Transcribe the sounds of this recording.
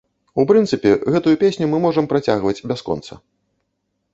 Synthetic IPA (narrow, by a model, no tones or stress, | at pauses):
upɾɨnt̪sɨpʲɛɣɛt̪ujupʲesʲnʲumɨmɔʐɐmpɾat͡sʲaɣvɐt͡sʲbʲaskɔ̰nt̪sɐ̰